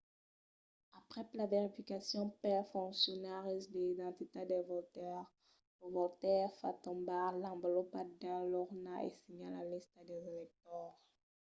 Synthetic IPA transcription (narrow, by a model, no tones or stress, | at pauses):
apχɛplaveʁifikasjɔ̃pɛfɔ̃ksjɔnaʁisd̪eid̪ɑ̃t̪it̪ed̪evɔlt̪ɛʁ | ləvɔlt̪ɛʁfa̰t̪ɔ̃balɑ̃blɔpad̪ɛ̃lɔʁnaʔɛ̰siɲãla̰list̪əd̪ɛzelɛk̚t̪ɔʁ